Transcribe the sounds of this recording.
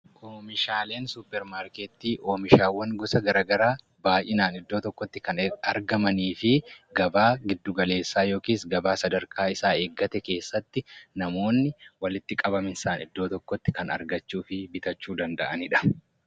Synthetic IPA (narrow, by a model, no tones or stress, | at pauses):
kʰʊmɪʃaːle̞ːnsʊpːɛɾmaːɾkeːt̪ːiːʔoːmɪʃaːwːɐŋɡʊsɐɡɐɾaːɡɐɾaː | baːjʔɪnaːnɪd̪ːoːt̪ɔkːɔt̪ːɪkɐnɐɾɡɐmɐniːfɪɡɐbaːɡɪd̪ːʊɡɐle̞ːsːaːjo̞ːkiːsɡɐbaːsɐd̪ɐɾkʰaːɪsaːe̞ːɡːɐt̪ɛke̞ːsːɐt̪ːɪnɐmo̞ːnːɪwɐlɪt̪ːɪkʼɐbɐmɪnsaːnɪd̪ːo̞ːt̪ɔkːɔt̪ːɪ̥kɐnɐ̰ɾɡɐt͡ʃːuːfɪbɪt̪ɐt͡ʃːuːd̪ɐnd̪ɐʔɐnɪᶑɐ̥